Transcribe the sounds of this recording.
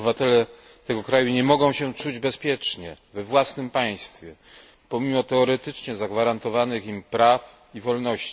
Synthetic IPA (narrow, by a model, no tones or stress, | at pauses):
bɘvat̪ɛlɛ | t̪ɛɡɔkɾajuɲɛmɔɡɔ̃w̃ɕɛt͡ʂud͡ʑbɛspʲjɛt͡ʂɲɛvɛvwasnɘmpaj̃st̪fʲjɛ | pɔmʲimɔt̪ɛɔɾɛt̪ɘt͡ʂɲɛzaɡvaɾant̪ɔvanɘximpɾaf | ivɔlnɔɕt͡ɕi̥